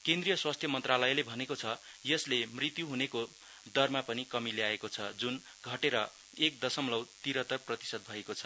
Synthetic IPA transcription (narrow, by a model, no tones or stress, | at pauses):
kẽnd̪rijʌswast̪ʰjʌmʌnt̪ralʌjlebʱʌnekot͡sʰʌ | jʌslemrit̪juɦuneko | d̪ʌrmapʌnikʌmileaekot͡sʰʌd͡zun | ɡʱʌʈeɾʌ | ek̚d̪ʌsʌmlʌwt̪iɾʌt̪ʌrprʌt̪i̥sʌd̪̚bʱʌekot͡sʰʌ